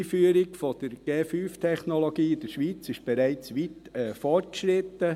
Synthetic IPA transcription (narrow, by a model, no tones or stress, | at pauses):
fyəɾɪkfɔd̪̥əɾɡ̥eːfyːft̪ʰɛχnolɔɡiːɪd̥̪əɾʃʋit͡sɪʃb̥ɛɾæɪt͡sʋit̪ɛːfɔɾt̚ʃɾɪt̪ːə